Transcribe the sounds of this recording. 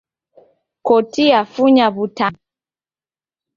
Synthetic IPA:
kɔtiafuɲaβuta

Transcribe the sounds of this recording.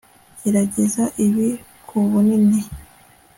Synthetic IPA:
ɟeɾaɟe̞zaʔiβi | kʰuβunini

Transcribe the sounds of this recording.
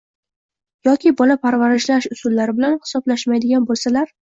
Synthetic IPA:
jɒkʲʰɪbɒlapʰaɾvaɾɪʃlaʃʊsʊlːaɾɪbɪlanhɪ̥sɒblaʃmajd̪ɪɡʲanbolˠsalaɾ

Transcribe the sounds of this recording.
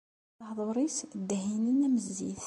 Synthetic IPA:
hðˤoɾˤisd̪hinənæməzːḭθ

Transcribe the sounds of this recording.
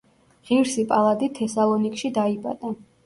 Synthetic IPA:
ʁiɾsipʼalˠad̪it̪ʰɛsalˠɔnikʼʃid̪aipʼa̰d̪ʼa

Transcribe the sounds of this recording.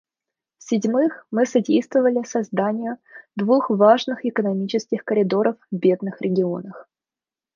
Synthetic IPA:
fsʲɪdʲmɨxmɨsɐdʲejst̪vəvəlʲɪsɐzd̪anʲɪjʊd̪vuxvaʐnɨxɪkənɐmʲit͡ɕɪskʲɪxkəɾʲɪd̪o̞ɾəfbʲe̞d̪̚nɨxɾʲʔɪɡʲɪo̞̰nəx

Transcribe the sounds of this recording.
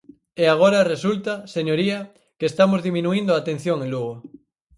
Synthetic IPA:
eaɣ̞oɾaresult̪aseɲoɾia | keːst̪amozðimĩnuind̪oat̪en̟θjoŋẽluɣ̞o

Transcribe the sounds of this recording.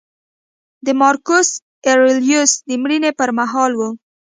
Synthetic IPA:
d̪əmɑɾkos | eɾɪljusd̪əmɽinepəɾmaɦɑlwu

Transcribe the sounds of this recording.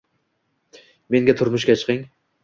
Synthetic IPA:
me̞ŋɡʲat̪ʰʊɾmʊʃkʲat͡ʃʰɨ̥qɨŋ

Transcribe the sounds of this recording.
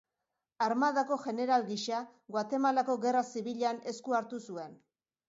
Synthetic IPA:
aɾmaðako̞ʝe̞ne̞ɾalɡiʃaɣwat̪e̞malako̞ɣe̞rasiβiʎane̞skuaɾt̪usue̞n

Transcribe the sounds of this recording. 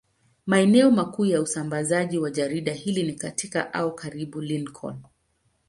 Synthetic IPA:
maɛnɛɔmakuːjausambazaʄiwaʄaɾiɗahilinikatika̰ʔaɔkʰaɾiɓulinkʰɔ̰n

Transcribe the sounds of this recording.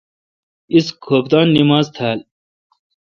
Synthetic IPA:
iskʰoːp̚d̪ɑːnːimaːzt̪ʰaːl

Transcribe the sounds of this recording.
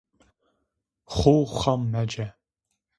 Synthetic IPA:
χʷʊwχɐmːɐd͡ʒɐ

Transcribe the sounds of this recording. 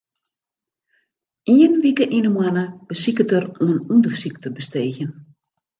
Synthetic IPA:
iənʋikəʔinəmwanəb̥əsikətəruənundərsiktəbəsteːɣjən

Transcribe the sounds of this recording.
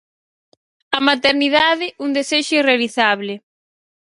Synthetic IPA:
amat̪eɾniðaðɪund̪eseʃʊirealiθaβ̞lɪ

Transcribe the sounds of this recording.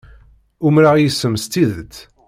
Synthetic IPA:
ʊmɾaʁjəsːəmst̪iðət̪

